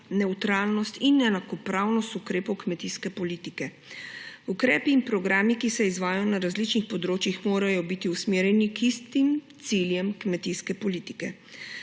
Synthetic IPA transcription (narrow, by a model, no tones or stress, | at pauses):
nɛwt̪ɾaːlnɔst̪inɛnakɔpɾaːwnɔst̪ukɾeːpɔwkmɛt̪iskɛpɔliːt̪ikɛ | ukɾɛːpiːnpɾɔɡɾaːmikisɛizʋaːjajɔnaɾazlit͡ʃnixpɔd̪ɾoːt͡ʃjixmoːɾajɔbit̪iusmeːɾjɛnikist̪imt̪siljɛmkmɛt̪iskɛpɔliːt̪i̥kɛ